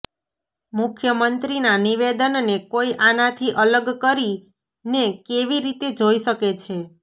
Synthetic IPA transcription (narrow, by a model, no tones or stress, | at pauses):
mʊkʰjəmənt̪ɾinaniʋed̪ənnekoiʔanat̪ʰiʔələɡkəɾi | nekeʋiɾit̪ed͡ʒoiʃəket͡ʃʰe